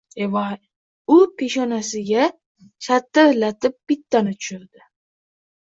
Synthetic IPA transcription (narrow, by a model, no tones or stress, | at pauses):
evaj | ʊpʰe̞ʃɒnasɪɡʲa | t͡ʃʰat̪ːalat̪ʰɪp̚ːɪt̪ːanɪt̪ʰʊ̥ʃʊɾd̪ɪ